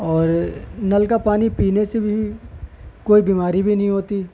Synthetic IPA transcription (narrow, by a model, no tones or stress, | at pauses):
ɔːɾnɐlkapaːnipiːnesebʱi | koːibiːmaːɾibʱinɐɦĩɦoːt̪iː